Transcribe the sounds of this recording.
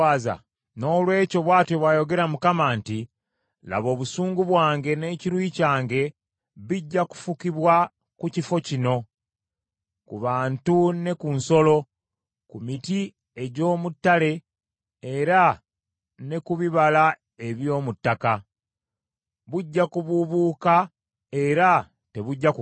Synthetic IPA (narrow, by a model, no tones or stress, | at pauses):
aza̰ | no̞ːlwe̞ːco̞βwaːte̞βwajo̞ɡe̞ɾamukamaːnti | la̰βo̞ːβusuːŋɡuβwaːŋɡe̞ne̞ːciɾwiːcaːŋɡe̞ | βiɟːaku̥fukiβwa | kucifo̞cino̞ | kuβaːntune̞kunso̞lo̞ | kumiti | e̞ɟo̞ːmutːale̞ | eɾa | ne̞kuβiβala | e̞βjo̞ːmutːaka | βuɟːakuβuβuːka | e̞ɾa | te̞βuɟːak